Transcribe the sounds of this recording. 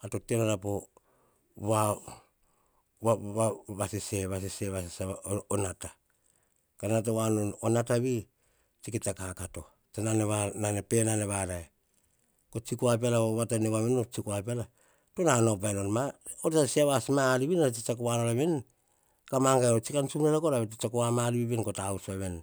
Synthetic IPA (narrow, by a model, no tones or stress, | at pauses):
atoteonaɾapo | βa | aaβaseseβas̬eseβasesaonata | kanat̬awanoonataβi | t͡ʃikitakakato̞̰ | tananeβananepenaneβaɾaj | kot͡ʃikoap̬ialaβatanewamenot͡ʃikoapiala | tonanop̬ajnonmaoɾasiaβasmaːɾiβinaat͡ʃit͡ʃakowanolaβen | kamaŋɡajot͡ʃikant͡ʃumneɾakoɾaβetit͡ʃakoamaɾiβiβenkotausoaβen